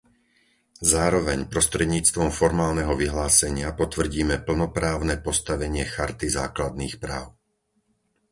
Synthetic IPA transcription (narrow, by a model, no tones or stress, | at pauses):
zaːɾɔʋɛɲpɾɔst̪ɾɛd̪ɲiːt͡st̪ʋɔmfɔɾmaːlnɛɦɔʋiɦlaːsɛɲɪapɔt̪ʋr̩ɟiːmɛpl̩nɔpɾaːʊnɛpɔst̪aʋɛɲɪɛxaɾt̪iza̰ːklad̪̚niːxpɾa̰ːʊ